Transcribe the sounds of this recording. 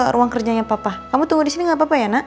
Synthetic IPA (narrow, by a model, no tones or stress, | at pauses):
ɾuaŋkərd͡ʒaɲapapakamut̪uŋudisiniŋɡaʔpapajana